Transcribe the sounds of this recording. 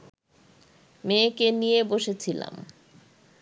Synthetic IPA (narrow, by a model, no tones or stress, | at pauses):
mekenijeboʃet͡ɕʰila̰m